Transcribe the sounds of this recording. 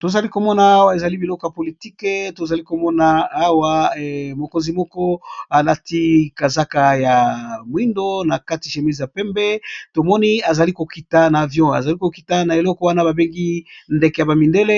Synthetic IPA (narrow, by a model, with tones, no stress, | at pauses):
to˨za˨li˦ko˨mɔ˦na˨a˦wa˦e˨za˨li˦bi˨lɔ˦kɔ˨ja˨po˨li˨ti˦kɛ˦to˨za˨li˦ko˨mɔ˦naː˨˦wa˦˨mo˨ko˦nzi˨mɔ˦kɔ˦a˨la˦ti˦ka˨za˦ka˨ja˨mwi˦ndo˦na˨ka˦ti˨ʃe˨mi˦za˨pɛ˦mbɛ˦to˨mɔ˦ni˦a˨za˨li˦ko˨ki˨ta˨na˨vjɔ̃˦a̰˨za˨li˦ko˨ki˨ta˦na˨e˨lɔ˦kɔ˦wa˦na˦ba˨be˦ŋɡi˦nde˨ke˨ja˨ba˨mi˨nde˦le˦